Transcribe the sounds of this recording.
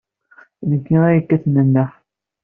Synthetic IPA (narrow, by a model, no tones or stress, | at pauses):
nəkːiæjəkːæθnənːəħ